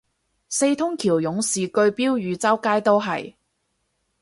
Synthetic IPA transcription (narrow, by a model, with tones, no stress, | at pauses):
se˧jt̪ʰʊ˥ŋkʰiː˨˩wjʊ˨˥ŋsiː˨kɵ˧ɥpiː˥wjyː˨˧t͡sɐ˥wkaː˥jt̪o˥wɦɐ̰˨j